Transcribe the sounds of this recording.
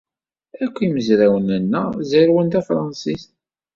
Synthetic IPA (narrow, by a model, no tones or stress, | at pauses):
ækʷːiməzɾæwənənːəziɾwənt̪æfɾˤɑnsist̪